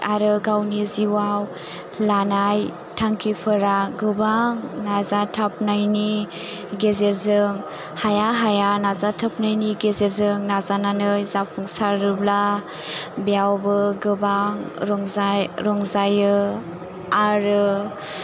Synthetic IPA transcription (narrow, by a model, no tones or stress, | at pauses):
aɾɯɡawniziwaw | lanaj | tʰaŋkʰipʰɯɾaɡɯbaŋnazatʰap̚najni | ɡezeɾzɯŋ | hajaɦajanazatʰap̚najniɡezeɾzɯŋnazananɯjzapʰuŋsaɾɯbla | bijawbɯɡɯbaŋɾɔŋzaɾɔŋzajɯ | aɾɯ